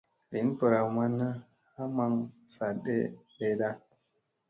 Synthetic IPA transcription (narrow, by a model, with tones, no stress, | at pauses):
li˨˦n˦pə˨ɾa˨wma˦nːa˦ | ha˦ma˧˦ŋsa˨ɗḛ˦ɗe˨ɗa˦